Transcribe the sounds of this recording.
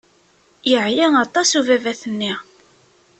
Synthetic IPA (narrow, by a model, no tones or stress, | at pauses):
jəʕjæɑt̪ˤɑsuvævæθənːi